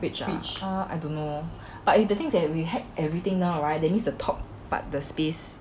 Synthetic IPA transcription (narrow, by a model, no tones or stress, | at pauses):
wit͡ʃait͡ʃəa̰jdõnːo | b̥atifdət̪ɪ̃ŋsdɛt̚wiɦɛvʔɛvɹit̪ɪ̃ŋnãʊɹaɪt̚dɛt̚mĩnsdətʰɔp̚ | b̥a̰t̚dəspes